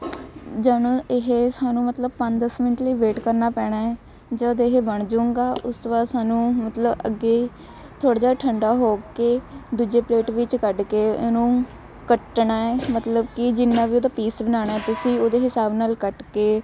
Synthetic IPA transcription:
d͡ʒaːnõːɪɦeːsaːnũːmət̪ləb̚pə̃ɲd̪əsmɪnəʈləiːʋeːʈkəɾnaːpɛːɽ̃aːɛː | d͡ʒad̪eɦeːbəɳd͡ʒuːŋɡaːʔʊsobaːsaːnũːmət̪ləbə̰ɡeː | t̪ʰoːɽad͡ʒaːʈʰəɳɖaːɦoːked̪uːd͡ʒeːpleːʈʋɪt͡ʃkəɖkeːoːnũː | kəʈnaːɛːmət̪ləbkɪd͡ʒɪnːãːʋiːoːd̪aːpiːsbənaːɽ̃aːɛːt̪ɪsĩːoːd̪eːɦɪsaːbnaːlkəʈkeː

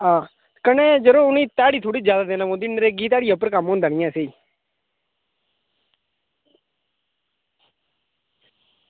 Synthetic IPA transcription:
ãː | kəneːd͡ʒəɾoːʊniːt̪aːɽiːt̪ʰoːɽiːd͡ʒjaːd̪aːd̪eːnaːmõːd̪ɪnɾeːɡiːt̪̬aːɽiːəpːəɾkamɦõnd̪aːnɪ̃jãːsei

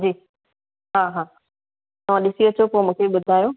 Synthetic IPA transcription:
d͡ʑiː | ɦaːɦaː | t̪ɐʋ̤ãɗɪsiɐt͡ɕopoːmũːkʰeɓʊd̪ʱaːjõː

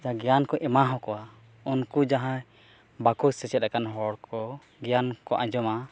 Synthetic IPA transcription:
d͡ʒaãɡɛjankɔʔɛmaɦɔ̃kɔwa | unkud͡ʒaɦã | bakɔsɛt͡ʃɛt̪̚ɾɛkanɦɔɽkʰɔ | ɡɛjankɔʔãd͡ʒɔma

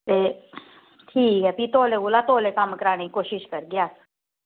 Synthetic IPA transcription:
t̪e | ʈʰiːkɦɛpit̪oːleɡulat̪oːlekamkəɾaːnekoːʃiʃkəɾɡjaːs

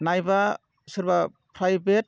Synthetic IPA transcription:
najba | sɯɾba | pʰɾajbet̚

